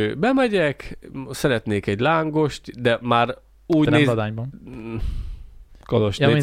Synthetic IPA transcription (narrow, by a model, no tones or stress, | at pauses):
bɛmɛɟɛksɛɾɛt̪neːkɛɟlaːŋɡo̞ʃt̪d̪ɛmaːr | uːɟneːɔd̪aːɲbɒn | koloʃeːmi